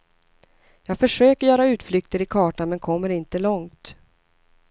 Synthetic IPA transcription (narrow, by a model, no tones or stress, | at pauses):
jɑːɡfœʂøːkəɾjœːɾaʉ̟ːt̪flʏkt̪əɾɪkʰɑːʈamɛnkʰɔmːəɾɪnt̪əlɔŋt̪